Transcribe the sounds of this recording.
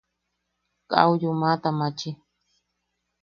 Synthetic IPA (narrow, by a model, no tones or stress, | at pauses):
ka̰wʎʊmat̪amat͡ʃi